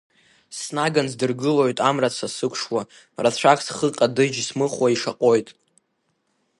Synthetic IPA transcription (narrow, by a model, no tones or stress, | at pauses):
snaɡanzdɨrɡɨlo̞jtʼamrat͡sʰasɨkʷʰʂwa | rat͡ɕʷʰakʼsχəqʼadɨd͡ʒsmɨχwaiʂaqʼo̞jtʼ